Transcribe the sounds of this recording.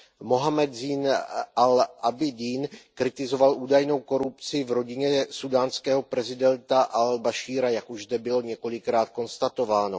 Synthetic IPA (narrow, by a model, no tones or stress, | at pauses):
mo̞ɦamɛd̪ziːnʔalʔabɪdiːnkɾɪt̪ɪzo̞valʔuːdajno̞wko̞ɾupt͡sɪvɾo̞ɟɪɲɛsudaːnskɛːɦo̞pɾɛzɪdɛnt̪aʔalbaʃiːɾajakuʒzd̪ɛbɪloɲɛko̞lɪkɾaːt̪̚ko̞nst̪at̪o̞vaːno